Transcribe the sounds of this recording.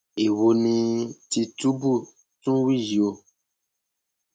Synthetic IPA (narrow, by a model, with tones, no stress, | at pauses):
e˨wo˨nĩ˧ti˨tu˦bu˦˨ | tũ˦wi˦˨ji˨o˨